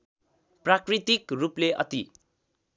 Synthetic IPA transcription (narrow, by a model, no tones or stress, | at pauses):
prakrit̪ikrupleʔʌ̰t̪i